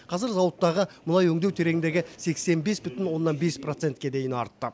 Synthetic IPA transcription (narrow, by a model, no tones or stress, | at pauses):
qʰɑzɪɾzɑwət̪ːɑʁəmʊlɑjɵŋd̪e̞wt̪ʰe̞ɾe̞ɡʲɪnd̪e̞ɡʲɪse̞kse̞nbe̞sbʏt̪ɪnwo̞nːɑnbe̞spro̞t̪se̞nt̪̚kʲe̞d̪e̞jɪnɑ̰ɾt̪ːə